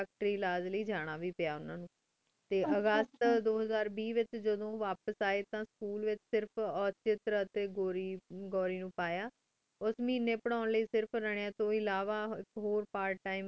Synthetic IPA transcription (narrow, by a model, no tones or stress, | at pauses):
ək̚ʈɾiːlaːd͡ʒləiːd͡ʒaːɽ̃aːʋiːpɪjaːʊnãːnũː | t̪eːʔəɡəst̪d̪oːɦəzaːɾbiːʋɪt͡ʃd͡ʒəd̪õːʋaːpəsaːeːt̪ãːskuːlʋɪt͡ʃsɪɾpʰɔːt͡ʃɪt̪ɾəət̪eːɡoːɾiːɡɔːɾiːnũːpaːjaː | ʊsmĩːneːpəɽ̃aːʊnləiːsɪɾpʰɾɛɽ̃ejãːt̪õːɪlaːʋaːɪkɦoːɾpaːɾʈʈaːim